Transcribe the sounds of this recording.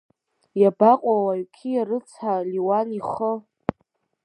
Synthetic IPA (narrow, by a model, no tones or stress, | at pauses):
jabaqʼawaɥkʲʰijaɾɨt͡sʰħaliwaniχə